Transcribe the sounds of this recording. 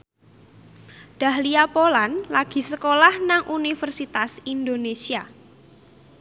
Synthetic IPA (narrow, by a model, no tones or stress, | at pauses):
d̥a̤hliapolanlaɡ̥i̤səkolahnaŋʔunifərsit̪asind̪onesia